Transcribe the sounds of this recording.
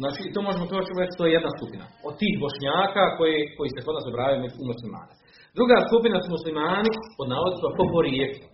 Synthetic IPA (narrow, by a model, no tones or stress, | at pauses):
znaːt͡ʃiːt̪oːmo̞ʒemot̪ot͡ʃiɾet͡ʃt̪oːjejed̪naskupina̰o̞d̪̚t̪iːɦbo̞ʃɲaːkaːkojeko̞jiːseko̞d̪naːsobɾaːʋjajomeumuslima̰ːne | d̪ɾuɡaːskupinasumuslimaːnipo̞d̪naːlod̪simapopoɾieklu